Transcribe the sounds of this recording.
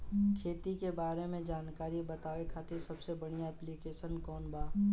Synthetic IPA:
kʰeːt̪ikebaːɾemẽd͡ʒaːnkaːɾibɐt̪aːekʰaːt̪esɐbsebɐɽ̃iaɛːplikeːʃənkɔːnbaː

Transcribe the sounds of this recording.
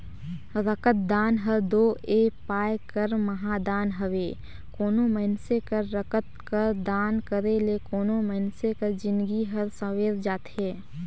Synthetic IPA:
ɾəkət̪̚d̪aːnɦəɾd̪oːeːpaːjkəɾməɦad̪aːnɦəʋeː | koːnoməɦɪnsekəɾːəkət̪̚kəɾd̪aːnkəɾelekoːnoməɦɪnsekəɾd͡ʒɪ̃nd̪ɡiɦəɾsəʋeːɾd͡ʒaːt̪heː

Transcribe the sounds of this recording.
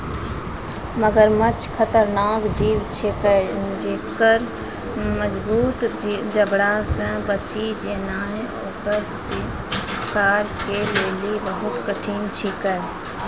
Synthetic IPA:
məɡəɾmət͡ʃʰkʰət̪əɾnaːkd͡ʒiːʋt͡ʃʰekəd͡ʒeːkəɾ | məd͡ʒbuːt̪d͡ʒəbɽasə̃bət͡ʃid͡ʒeːnaːɦɛ | oːkəɾsi | kaːɾkeleːlibəɦʊt̪kəʈʰiːnt͡ʃʰikə

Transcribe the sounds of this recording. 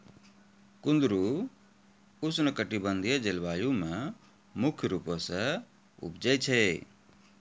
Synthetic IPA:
kʊnd̪ɾu | ʊsnəkəʈibənd̪ʱijed͡ʒɪlbaːjũmẽ | mʊkʰjɾupəsə | ṵbd͡ʒɛt͡ʃʰɛ

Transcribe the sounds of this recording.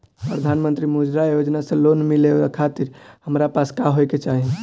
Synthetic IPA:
pɾəd̪ʱanmənt̪ɾimud͡ʒɾajod͡ʒnasẽlonmileakʰat̪iɾhəmɾapaskaɦojket͡ʃaɦi

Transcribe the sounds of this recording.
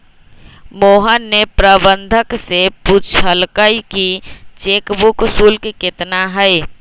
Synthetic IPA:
moːɦənːepɾəbənd̪ʱəkseput͡ʃʰəlkəikit͡ʃekbuksulkeket̪naɦəj

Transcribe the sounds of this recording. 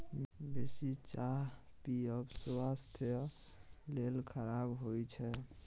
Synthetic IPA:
besit͡ʃaɦpiəbsast̪ʰ | lelkʰəɾabɦojt͡ʃʰɛ

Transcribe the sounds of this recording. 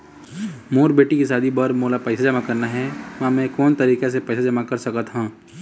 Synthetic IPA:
moːɾbeːʈikisaːd̪ʱibɐɾmoːlapɛːsad͡ʒɐmakɐɾnaɦɛmãmɛ̃kɔːnt̪ɐɾiːkes̬epɛːsad͡ʒɐmakɐɾsɐkət̪ɦũː

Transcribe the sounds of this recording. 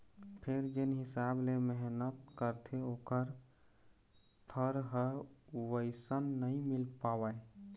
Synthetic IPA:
pʰeɾd͡ʒenɦisableməɦnət̪kəɾt̪ʰeokəɾ | p̪ʰəɾɦəʋəɪsənːəimilpawəe

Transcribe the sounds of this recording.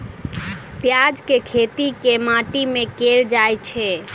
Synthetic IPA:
pjad͡ʒkekʰet̪ikemaʈimẽkeld͡ʒajt͡ʃʰɛ

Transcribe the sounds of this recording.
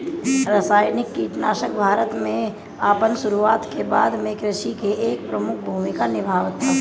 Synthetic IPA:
ɾəsaːjnɪkːiʈ̪naːʃəkbʱaːɾət̪mẽ | aːpənsʊɾuaːt̪keba̰ːd̪mẽkɾɪʃikeeːk̚pɾəmʊkʰbʱuːmɪkanɪbʱaːʋt̪ʰːaː

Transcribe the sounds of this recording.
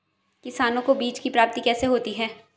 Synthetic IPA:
kɪsaːnõkobiːt͡ʃkipɾaːp̚t̪ikɛːseɦoːt̪iɦɛː

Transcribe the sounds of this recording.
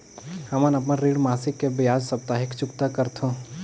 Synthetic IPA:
hɐmənɐp̬naɾiːɽmaːsɪkːebɪjaːd͡ʒsɐb̚t̪aːɦɪkt͡ʃʊkt̪akəɾt̪ʰo

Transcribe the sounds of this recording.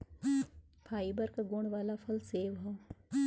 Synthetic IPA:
pʰaːibəɾkaɡoːɳʋaːlapʰɐlseːʋɦɐː

